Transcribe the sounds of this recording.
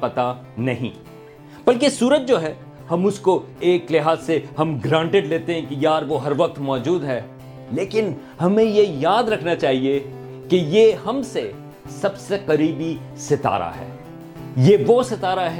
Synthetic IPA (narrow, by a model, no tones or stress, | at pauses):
pɐt̪a | nɐɦḭ̃ | b̥ɐlkesuːɾət̪̚d͡ʒoːɦɛː | hɐmʊskoeːklɪɦaːzsehɐmɡɾãːɳʈɪɖleːt̪ẽɦɛ̃kijaːɾʋoɦɐɾʋɐq̚t̪mɔːd͡ʒuːd̪ɦɛː | leːkɪn | hɐmẽjejaːd̪ɾɐkʰnat͡ʃaːɦie | kejehɐmse | sɐbseqɐɾiːbi | sɪt̪a̰ːɾa̰ɦɛ̰ː | jeʋosɪt̪aːɾaɦɛ